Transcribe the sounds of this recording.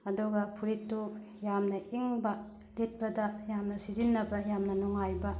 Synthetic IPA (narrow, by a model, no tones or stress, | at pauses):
ɐdɔɡɐpʰuɾitːu | jamnɐʔiŋbɐ | d̥et̚bɐdɐjamnɐsizinːɐbɐjamnɐnɔŋajbɐ